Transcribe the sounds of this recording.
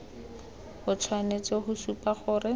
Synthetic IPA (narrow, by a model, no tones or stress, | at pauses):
hʊt͡sʰwanet͡sʼɔɦʊsupʼaχʊːrɪ